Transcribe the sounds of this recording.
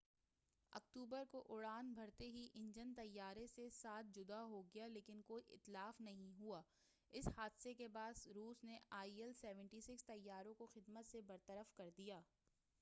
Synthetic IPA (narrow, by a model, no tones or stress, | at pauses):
ɐ̰k̚t̪uːbəɾkoʔʊɽaːnbʱɐɾt̪eɦiʔɪ̃ɲd͡ʒənt̪ɐjːaːɾesesaːt̪̚ʰd͡ʒʊd̪aɦoɡɐjaleːkɪnkoːiʔɪ̰t̪laːfnɐɦĩɦuaː | ɪshaːd̪sekebaːd̪ɾuːsneaːiɛlsɛːʋə̃ɳʈiːsɪkst̪ɐjːaːɾõkoxɪd̪mət̪sebɐɾt̪əɾəfkɐɾd̪ijaː